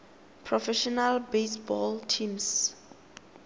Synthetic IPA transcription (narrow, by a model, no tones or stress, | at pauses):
pʰɹɔfɛʃɔnalbesbɔltʰĩms